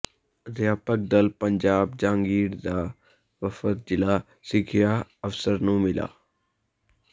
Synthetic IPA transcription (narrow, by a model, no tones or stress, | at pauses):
ɾjaːpək̚d̪əlpəɲd͡ʒaːb̚d͡ʒãːŋɡiːɽd̪aː | ʋəfət̪̚d͡ʒɪlaː | sɪkʰɪjaːəfsəɾnũːmɪla̰ː